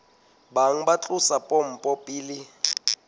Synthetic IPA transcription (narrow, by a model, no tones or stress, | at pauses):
baŋ̩bat͡ɬʼʊsapʼom̩pʼɔpʼiːli